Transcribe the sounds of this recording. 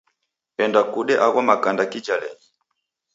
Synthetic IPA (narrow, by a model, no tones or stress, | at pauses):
ɛndakuɗɛʔaɣamakandakid͡ʒalɛi